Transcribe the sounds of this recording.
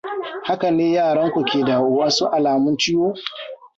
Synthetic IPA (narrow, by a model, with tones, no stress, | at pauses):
ha˦ka˨neː˦jaː˦˨ɽɐ˦ŋkʷu˨kʲeː˨da˨ʔʊ˨wɐ˦nsu˦ʔa˨laː˨mʊ˦nt͡ʃɪ˦woː˦